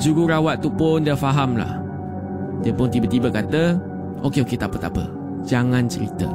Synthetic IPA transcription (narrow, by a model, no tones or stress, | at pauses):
d͡ʒuɾuɾawat̪ːupʊndiəfaɦamla̰h | diəpʊnt̪ibat̪ibakat̪ə | ʔokeoket̪aʔpət̪apə̰ | d͡ʒaŋãnt͡ʃəɾḭt̪ə̰